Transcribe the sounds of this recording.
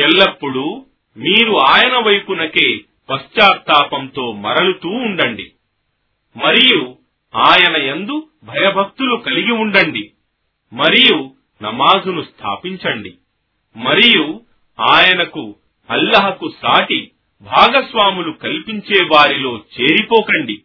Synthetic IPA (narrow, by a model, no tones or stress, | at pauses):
ɛɭːɐpːuɽu | miːɾuaːjɐnɐʋɐjpunɐke̞ː | pɐst͡ʃaːɾt̪aːpɐmt̪o̞ːmɐ̰ɾɐlut̪uːɳɖɐɳɖḭ | mɐɾiju | aːjɐnɐend̪u | bʱɐjɐbʱɐk̚t̪ulukɐliɡiuɳɖɐɳɖi | mɐɾiju | nɐmaːzunust̪ʰa̰ːpiɲt͡ʃɐɳɖi | mɐɾiju | aːjɐnɐku | ɐlːɐɦɐkusaːʈi | bʱaːɡɐsʋaːmulukɐlpiɲt͡ʃɛːʋaːɾilo̞ːt͡ʃe̞ːɾipɔːkɐɳɖi